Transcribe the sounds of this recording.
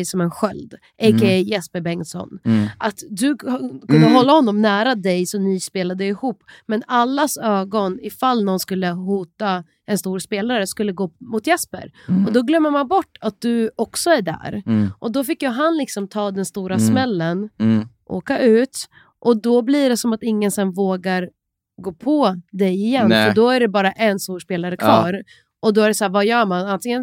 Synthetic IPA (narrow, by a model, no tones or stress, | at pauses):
jsɔmɛnɧœld̪ | ʔɛkajɛspəɾbɛŋsɔ̰nʔat̪d̪ɵkʰɵnd̪əɦɔlːahɔnːɔmnæːɾad̪ɛjsɔnispeːlad̪ɪhuːpːmɛnalːasøːɡɔnɪfalːnɔnskɵlːəhuːt̪a | ɛnst̪uːɾspeːlaɾəskɵlːəɡoːmʊt̪jɛspə̰ɾɔd̪ɔɡlœmːəmanbɔʈːat̪̚d̪ɵɔksɔæɖæ̰ːɾʔɔd̪ɔfɪkːjɑɦanlɪksɔmt̪ʰɑːd̪ɛnst̪uːɾasmɛlːənʔo̰ːkaʔʉ̟ːt̪ | ʔɔd̪ɔbliːɖɛsɔmat̪ɪŋːənsɛnvoːɡaɾ | ɡoːpʰɔd̪ɛjɪjɛnːfœɖɔæɖɛbɑːɾaʔɛnst̪uːɾʂspeːlaɾəkʰvɑːɾ | ʔɔd̪ɔæɖɛsæːvajœːɾmanant̪ʰɪŋən